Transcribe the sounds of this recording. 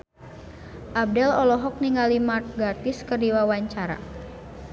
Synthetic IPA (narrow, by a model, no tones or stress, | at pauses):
ʔab̚dɛlɔlɔɦɔk̚niŋɡalimark̚ɡart̪ɪskərdiwawaɲt͡ʃaɾa̰